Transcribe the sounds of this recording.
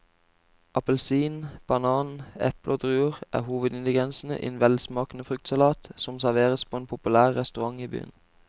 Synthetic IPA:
ʔɑpəlsiːnb̥ɑnɑːnɛ̰plʔoːd̪ʁʉːəʁʔæ̰ːhuːʋəd̪ɪnd̪ɪɡɛnsn̩ə̰ʔḭnʋɛlsmɑːkn̩əfʁʉkt̪sɑlɑːt̪sɔmsæʁʋeːʁəspʰoːeːnpʰʊpʉlæːʁːɛst̪ʉʁɑŋiːby̰ːən

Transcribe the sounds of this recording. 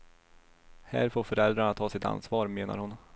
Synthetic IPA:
hæ̰ːɾfoːɾfœɾɛld̪ɾaɳat̪ʰɑːsɪt̪a̰nsvɑːɾmeːna̰ɾhʊn

